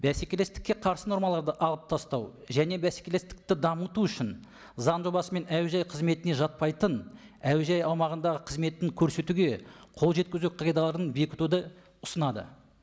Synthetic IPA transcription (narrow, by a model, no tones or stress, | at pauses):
bæse̞kʲe̞le̞st̪ɪ̥kʲːe̞qʰɑɾsənoɾmɑlˠɑɾd̪əʔɑlˠəp̚t̪ʰɑst̪ɑw | ʒæne̞bæsekʲele̞st̪ɪ̥k̚t̪ɪd̪ɑmət̪uʏʃɪn | zɑnʒo̞bɑsəme̞næwʒɑjqʰəzme̞t̪ɪne̞ʒɑt̪̚pɑjt̪ən | æwʒɑjɑwmɑʁənd̪ɑʁəqʰəzme̞t̪ːɪŋkʲʰɵɾse̞t̪uɡʲe̞qʰolˠʒe̞t̪̚kʲɪzuqʰɑɡʲed̪alˠɑɾd̪ənbe̞kʲɪ̥t̪ud̪ə | ʊsənɑd̪ə̰